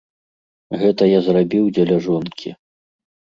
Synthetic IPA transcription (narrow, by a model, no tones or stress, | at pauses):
ɣɛt̪ɐjazrabʲiwd͡zʲɛlʲaʐɔnkʲʰḭ